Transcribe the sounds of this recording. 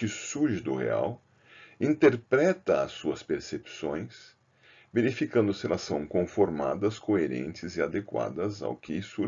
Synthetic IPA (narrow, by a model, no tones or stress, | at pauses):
ɪsuɾʒɪd̪ʊ̰hḛa̰w | ĩnt̪eɾpɾɛt̪ɐɐsːuɐspeɾsepsõj̃s | veɾifikɐ̃nd̪ʊsɪɛlɐsɐ̃w̃kõfoɾma̰d̪ɐskoeɾḛ̃nt͡ʃɪzɪad̪ekwa̰d̪ɐza̰wkɪsuɾ